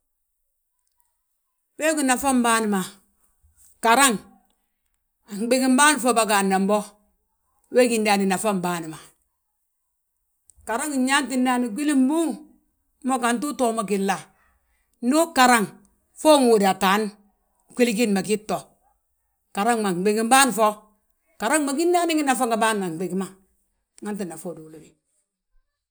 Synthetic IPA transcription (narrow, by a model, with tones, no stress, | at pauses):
we˦ku˦na˨fa˦mbaː˦ni˨ma˨ | ka˨ɾa˦ŋ˨ | ŋ˨bi˦ki˦m˦ba˦n˨fo˦ba˨ka˨nːa˨mbo˦ | we˦ki˨nda˨ni˨na˨fa˦mbaː˦ni˨ma˨ | ka˨ɾa˦ŋi˨˦ɲa˦nti˨nda˦ni˨ɡʷi˦li˦m˦bu˦ŋ˦ | mo˦ka˨ntu˦to˦˨ma˨ki˨lːa˨ | no˦ka˨ɾa˦ŋ | fo˦ŋu˨da˨ta˨˦n˦ | ki˦lk̬i˦n˨ma˨ki˦tːo˨ | ka˨ɾa˦ŋma˨ŋ˨ɡ͡be˨ɡi˦m˦baː˦n˨fo˦ | ka˨ɾa˦ŋma˨ki˦n˦da˦ni˦ŋi˦na˨fa˦ŋɡa˨ba˦n˨ma˨ŋ˨ɡ͡be˨ɡi˦ma˨ | ŋa˦nti˨nːa˨fo˦˨du˨lo˦mi˨